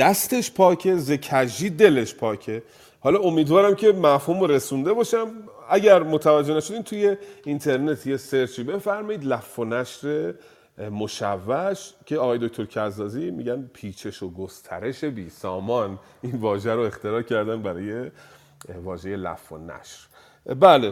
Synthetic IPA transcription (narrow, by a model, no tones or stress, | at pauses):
d̪̥æst̪eʃpʰɒːcʰe̞ze̞cʰæʒiːd̪e̞le̞ʃpʰɒːcʰe̞ | hɒːlɒomiːd̪vɒːɾæmcʰe̞mæfhuːmoɾe̞sund̪e̞bɒːʃæmæɟæɾmot̪ʰævæd͡ʒːenæʃod̪imt̪ʰujeint̪ʰe̞ɾne̞t̪ʰje̞seɾt͡ʃiːbe̞fæɾmɒiːd̪læfːonæʃɾe̞ | moʃævːæʃkcʰe̞ɒːɣɒːjeo̞kt̪ʰo̞ɾcʰæzːɒːzimḭɟænpʰiːt͡ʃʰe̞ʃoɡost̪ʰæ̰ɾe̞ʃe̞biːsɒːmɒn | iːnvɒːʒæɾoe̞xt̪e̞ɾɒːcʰæɾd̪ænbæɾɒːje̞ | vɒːʒe̞je̞læ̰fːo̰næ̰ʃɾ | bæːle